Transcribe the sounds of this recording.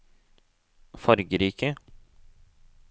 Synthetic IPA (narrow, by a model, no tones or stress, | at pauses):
fɔɾɡəɾiːkə